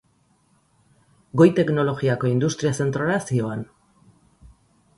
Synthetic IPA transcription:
ɡo̞jt̪e̞kno̞lo̞ɣiako̞ind̪ust̪ɾiase̞nt̪ɾoasio̞an

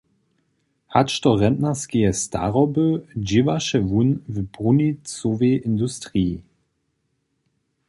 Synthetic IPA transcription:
haʃtɔʁɛndnaskiɛsta̰ʁɔbød͡ʒɪvaʃɛvunvbʁunit͡soveʔɪndustʁii

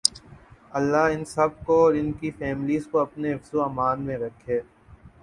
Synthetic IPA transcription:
ɐlːaɪnsɐb̚koɔːɾɪnkifɛːmliːzkoɐpneɦɪfzuɐːmaːnmẽɾɐkʰːeː

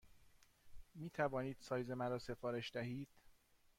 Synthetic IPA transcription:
miːt̪ʰævɒːniːd̪̥sɒːjzemæɾɒːse̞fɒːɾe̞ʃd̪æɦiːd̪̥

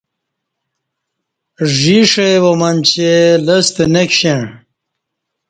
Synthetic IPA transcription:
ʐiʂɐjwomɐnʲt͡ɕelɐst̪enekɕeɳ

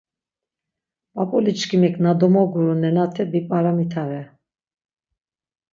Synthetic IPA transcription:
apʼɔlit͡ʃkʰimɛkʰʼnad̪ɔmɔɡuɾunɛnat̪ʰɛbipʼaɾamit̪ʰavɛ

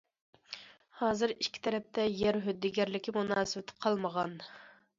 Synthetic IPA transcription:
hɑːzɨɾiʃkʲʰːi̥t̪ʰɛɾɛp̚t̪ʰɛjɛɾɦød̪ːɪɡʲæɾlɪkʲimunɑːsɨwɪt̪ʰɪ̥qʰɑlˠməʁɑn

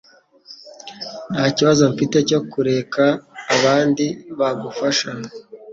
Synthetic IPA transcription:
n̥haːciβazo̞ɱfite̞co̞kuɾe̞kaːβaːndiβaɡufaʃa

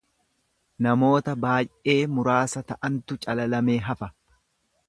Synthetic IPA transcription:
nɐmo̞ːt̪ɐbaːjʔe̞ːmʊɾaːsɐt̪ɐʔɐnt̪ʊt͡ʃʼɐlɐlɐme̞ːɦɐfɐ

